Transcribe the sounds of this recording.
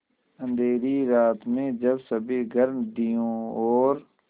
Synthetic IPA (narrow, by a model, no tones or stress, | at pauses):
ə̃nd̪ʱeːɾiɾaːt̪mẽːd͡ʒɐbsəbʱiɡʱəɾmd̪ijõːɔːɾ